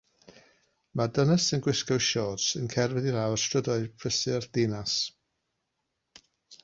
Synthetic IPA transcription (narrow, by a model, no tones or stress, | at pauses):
madənəsənɡwɪskɔwʃɔːdsənkʰɛrvɛðiɾawrstrədɔɨpʰəsɪrd̥enas